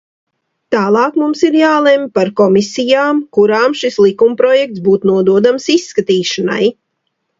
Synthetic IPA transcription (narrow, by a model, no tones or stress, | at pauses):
t̪aːlˠɑːkmumsiɾjaːlˠempaɾkɔmisijaːmkuɾaːmʃislˠikumpɾɔjɛk̚t̪sbuːt̪nuɔd̪uɔd̪amsisːkat̪iːʃana̰j